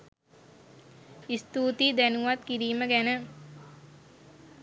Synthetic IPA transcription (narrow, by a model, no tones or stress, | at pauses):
ist̪uːt̪id̪ænuʋat̪kiɾiːməɡænə